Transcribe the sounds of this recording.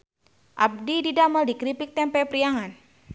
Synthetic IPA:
ʔab̚dididaməldikɾipik̚t̪ɛmpɛpɾiaŋan

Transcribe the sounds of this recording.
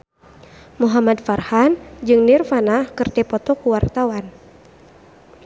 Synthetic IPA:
muɦamad̪farhand͡ʒɨŋnirfanahkɨrt̪ɛpɔt̪ɔkuwart̪awan

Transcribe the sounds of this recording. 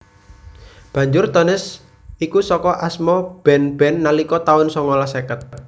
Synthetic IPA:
b̥ä̤ɲd͡ʒʊrt̪ɔnɪs | ikusɔkɔʔasmɔb̥ɛ̤nb̥ɛ̤nːalikɔt̪aʊnsɔŋɔlasekət̪̚

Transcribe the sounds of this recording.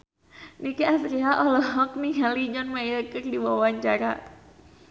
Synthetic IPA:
nikiasɾiɦaʔɔlɔɦɔk̚niɦalid͡ʒɔnmajəkərdibawaɲt͡ʃaɾa̰

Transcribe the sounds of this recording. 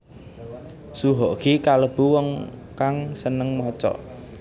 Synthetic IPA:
suɦɔʔkikaləb̥uwɔŋkaŋsənəŋmɔt͡ʃɔ̰

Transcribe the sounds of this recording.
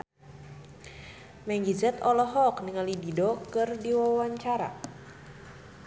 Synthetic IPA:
mɛŋɡizɛt̪ɔlɔɦɔk̚niŋalididokɨrdiwawaɲt͡ʃaɾa̰

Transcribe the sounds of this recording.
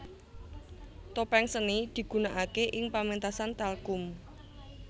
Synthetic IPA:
t̪opɛŋsənid̪̥i̤ɡ̥ṳnaʔakeʔɪŋpament̪asant̪alkʊm

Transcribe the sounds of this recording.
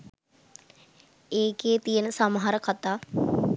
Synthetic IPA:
eːkeːt̪ijənəsaməɦaɾəkat̪aː

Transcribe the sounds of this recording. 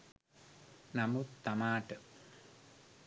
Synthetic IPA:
nɐmut̪ɐmaːʈːɨ

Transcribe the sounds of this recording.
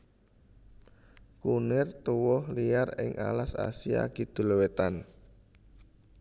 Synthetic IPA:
kunɪrt̪uwɔhlijarɪ̰ŋʔa̰lasa̰sia̰ɡ̥i̤d̪̥ṳlowet̪an

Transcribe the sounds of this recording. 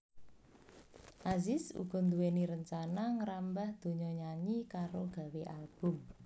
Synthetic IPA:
ʔazɪsṵɡ̥ɔ̤nd̪uweniɾəɲt͡ʃanaŋəɾambahd̪̥o̤ɲɔɲaɲikaɾoɡ̥a̤weʔalb̥ʊ̤m

